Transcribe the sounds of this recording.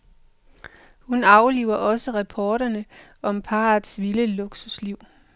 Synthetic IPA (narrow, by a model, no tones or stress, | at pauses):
hunɑ̈ʊliʊɐʔɒ̽səʁɑpʰɒːɾ̥ɐnə | ɒ̽mpʰɑ̈ːðˠsʋiləloɡ̥susliʊ̰